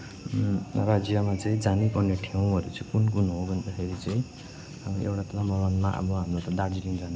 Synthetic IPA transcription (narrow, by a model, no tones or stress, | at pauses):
rad͡zijamat͡sʌĩd͡zanipʌrneʈʰew̃ʌɾut͡sʌĩkunkunɦobʱʌnd̪akʰeɾit͡sʌĩ | ʔḛwʈat̪lamʌɾanmaʔa̰bʌɦamrot̪ʌd̪aɾd͡ziliŋd͡zane